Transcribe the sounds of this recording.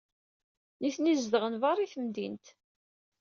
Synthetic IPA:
niθnizd̪əʁənvɑɾˤiθəmd̪ḭnt̪

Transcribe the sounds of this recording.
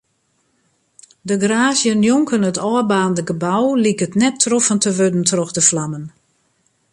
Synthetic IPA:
dəɡraːzjənjoŋkənətɔːbaːndəɡəbawlikətnɛtʰːrofəntəʋødn̩trɔxdəflamən

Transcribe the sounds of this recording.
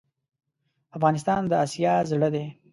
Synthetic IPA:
afɣɑnɪst̪ɑnd̪əɑsjɑzɽəd̪e

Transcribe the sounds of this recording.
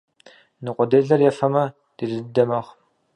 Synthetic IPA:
nɨqʷʼɔdeːɮɐrjɛfɐmɐ | d̥idɨddɐmɐʁ

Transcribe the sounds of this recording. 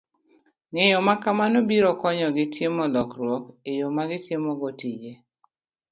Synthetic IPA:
ŋejɔmakamanobiɾɔkɔɲɔɡɪtjemɔlɔkɾwɔkejomaɡɪtjemɔɡotid͡ʒe

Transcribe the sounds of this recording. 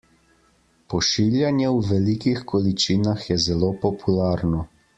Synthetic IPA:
pɔʃiljanjɛwʋɛlikixkɔlit͡ʃiːnaxjɛzɛloːpɔpʰulaːɾnɔ

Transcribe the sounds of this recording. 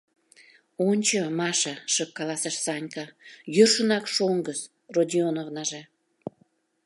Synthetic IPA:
onʲt͡ɕəmɑʃɑʃəkːɑlɑsəʃsɑnʲkɑjørʃənɑkʃoŋɡəs | rod̪ʲionovnɑʒe

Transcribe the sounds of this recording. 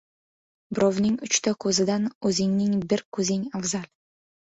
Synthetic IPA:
bɾɒvnɪŋʊt͡ʃt̪ʰakʰɵzɪd̪anɵzɪŋnɪŋbɪɾkʰɵzɪŋaʁzal

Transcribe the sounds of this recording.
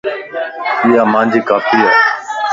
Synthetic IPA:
iːaːmãːnd͡ʒiːkaːfiːɦa̰ː

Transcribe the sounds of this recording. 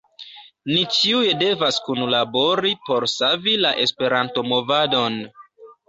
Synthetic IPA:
nit͡ʃiuje̞de̞vaskunlabo̞ɾipo̞ɾsavilaʔe̞spe̞ɾanto̞mo̞vado̞n

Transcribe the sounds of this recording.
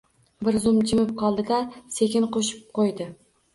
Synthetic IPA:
bɪɾzʊmd͡ʒɪmɪp̚qʰɒlˠd̪ɪd̪ase̞kʲʰɪnqoʃɪ̥p̚qʰojd̪ɪ

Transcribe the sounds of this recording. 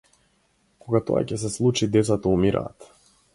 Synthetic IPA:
kɔɡat̪ɔ̰a̰cɛs̬ɛslˠut͡ʃid̪ɛt̪sat̪ɔumiɾʔa̰ːt̪

